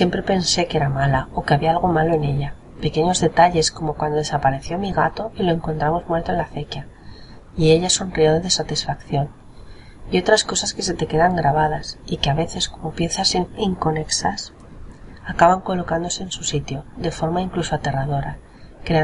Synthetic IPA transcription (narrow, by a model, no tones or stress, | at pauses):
sje̞mpɾe̞pe̞nse̞ke̞ɾamalao̞keaβiaalɣ̞o̞malo̞e̞ne̞ʎa | pe̞ke̞ɲo̞zðe̞t̪aʎe̞sko̞mo̞kwand̪oð̞e̞sapaɾe̞θjo̞miɣat̪o̞ilo̞e̞ŋkont̪ɾamo̞zmwe̞ɾt̪o̞e̞nlafekja | ie̞ʎaso̞nrioðeðe̞sat̪isfakθjo̞n | io̞t̪ɾasko̞saske̞se̞t̪e̞ke̞ðaŋɡɾaβaðasikeaβe̞θe̞sko̞mo̞pje̞nsaseiŋko̞ne̞ksas | akaβaŋko̞lo̞kand̪o̞se̞ːnsusit̪jo̞ðe̞fo̞ɾmaiŋklusoat̪e̞rað̞o̞ɾa | kɾea